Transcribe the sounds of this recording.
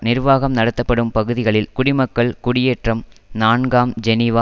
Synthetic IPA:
nɪɾʋaːɣɐmnɐɽɐt̪ːɐpːɐɽɯmpɐɣɯðɪɣɐɭɪlkʊɽɪmɐkːɐɭkʊɽɪjeːʈrɐmnaːɳɡaːmd͡ʒɛnɪʋaː

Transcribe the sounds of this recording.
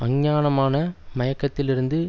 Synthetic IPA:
ɐŋɲaːnɐmaːnɐmɐjɐkːɐt̪ːɪlɪɾɯnd̪ɯ

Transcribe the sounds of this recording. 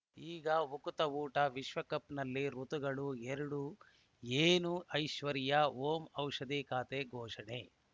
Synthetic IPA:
iːɡɐʋukut̪ɐuːʈɐʋiʃʋɐkɐpnɐlːiɾut̪uɡɐɭueɾuɽu | eːnuʔɐjʃʋɐɾjɐoːmɐwʂɐd̪ikaːt̪eːɡʱɔːʂɐɳe

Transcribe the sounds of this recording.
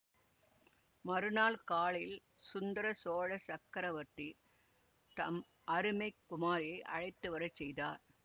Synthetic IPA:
mɐɾɯnaːlkaːɭɪl | sʊnd̪ɐɾɐsoːɻɐsɐkːɐɾɐʋɐʈri | t̪ɐm | ʔɐɾɯmɐɪkːʊmaːɾɐɪʔɐ̰ɻɐɪt̪ːɯʋɐɾɐt͡ʃsɛjðaːɾ

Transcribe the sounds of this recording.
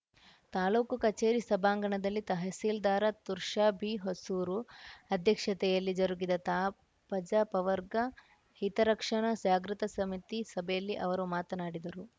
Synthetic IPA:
t̪aːloːkukɐt͡ʃeːɾisɐbʱaːŋɡɐɳɐd̪ɐlːit̪ɐɦɐsiːld̪aːɾɐt̪uɾʃaːbʱiɦosuːɾuɐd̪ʱjɐkʂɐt̪ɛjɐlːid͡ʒɐɾuɡid̪ɐt̪aː | pɐd͡ʒɐpɐʋɐɾɡɐ | hit̪ɐɾɐkʂɐɳɐd͡ʒaːɡɾut̪ɐsɐmit̪isɐbʱɛjɐlːiʔɐʋɐɾumaːt̪ɐnaːɽid̪ɐɾu

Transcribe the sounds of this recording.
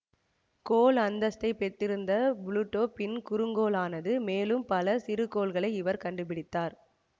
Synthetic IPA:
koːlɐnd̪ɐst̪ɐɪpɛʈːɪɾɯnd̪ɐbʊluʈːoːpɪnkʊɾɯŋɡoːlaːnɐðɯmeːlɯmpɐlɐsɪɾɯkoːlɣɐɭɐɪɪʋɐɾkɐɳɖɯpɪɽɪt̪ːaːɾ

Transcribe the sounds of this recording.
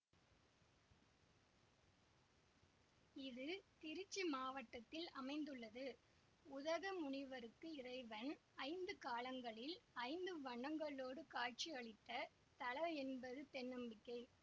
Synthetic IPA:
ɪðɯt̪ɪɾɪt͡ʃːimaːʋɐʈːɐt̪ːɪlɐmɐɪnd̪ɯɭːɐðɯ | ʊðɐɣɐmʊɳɪʋɐɾɯkːɯɪrɐɪʋɐnɐɪnd̪ɯkaːlɐŋɡɐɭɪlɐɪnd̪ɯʋɐɳːɐŋɡɐɭoːɽɯkaːt͡ʃiɐɭɪt̪ːɐ | t̪ɐɭɐɛnbɐðɯt̪ɛnːɯmbɪkːɐɪ

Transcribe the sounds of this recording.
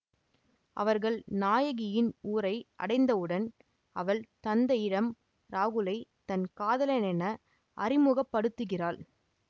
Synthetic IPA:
ʔɐ̰ʋɐɾɣɐɭnaːjɐɣɪjɪnuːɾɐɪʔɐ̰ɽɐɪnd̪ɐɯɽɐn | ɐʋɐɭt̪ɐnd̪ɐjɪɽɐm | ɾaːɣɯlɐɪt̪ɐnkaːðɐlɐnɛnɐ | ʔɐrɪmʊɣɐpːɐɽɯt̪ːɯɣɪraːɭ

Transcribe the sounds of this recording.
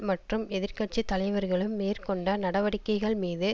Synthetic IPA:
mɐʈrɯmɛðɪɾkɐʈ̚t͡ʃːit̪ːɐlɐɪʋɐɾɣɐɭɯmːeːrkɔɳɖɐnɐɽɐʋɐɽɪkːɐɪɣɐɭmiːðɯ

